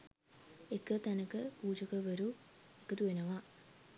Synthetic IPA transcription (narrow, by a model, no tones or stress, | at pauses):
ekːɨt̪ɐnɐkːɨpuːd͡ʑɐɣɐʋɐɾuekːɨt̪uɐnɐʋaː